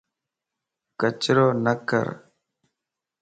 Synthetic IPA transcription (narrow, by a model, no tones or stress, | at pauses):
kət͡ʃɾoːnəkə̰ɾ